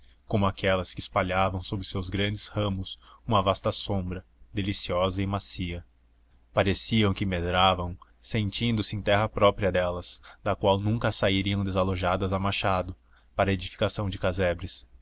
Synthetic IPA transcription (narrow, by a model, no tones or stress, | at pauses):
kõmʊakɛlɐskɪspaʎavɐ̃w̃sobɾɪsewzɡɾɐ̃nd͡ʒɪzhɐ̃mʊsũmɐvast̪ɐsõmbɾɐ | d̪elisiɔzɐɪmasiɐ | paɾesiɐ̃w̃kɪmed̪ɾavɐ̃w̃ | sẽnt͡ʃĩnd̪ʊsɪẽj̃t̪ɛɦɐpɾɔpɾiɐd̪ɛlɐsd̪ɐkwawnũŋkɐsaiɾiɐ̃w̃d̪ezaloʒad̪ɐzamaʃad̪ʊ | paɾɐed͡ʒifi̥kasɐ̃w̃d͡ʒɪkazɛbɾɪs